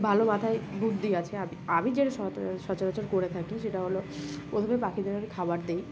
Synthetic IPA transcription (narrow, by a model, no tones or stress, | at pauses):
bʱalomat̪ʰaebʱuʈd̪iat͡ɕʰeabiamid͡ʑeʈaʃɔʃɔt͡ɕaɾot͡ɕaɾkoɾet̪ʰakiʃeʈaɦolopɾot̪ʰomepakʰid̪eɾaɾikʰabaɾd̪ej